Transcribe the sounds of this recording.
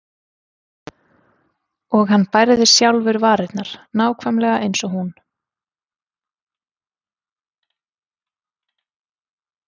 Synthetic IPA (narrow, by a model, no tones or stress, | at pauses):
ɔɣhanːpajɾɪðɪsjawlvɪɾvaːɾɪt̪naɾ̥naːwkʰvamlɛɣaʔejnsɔɦun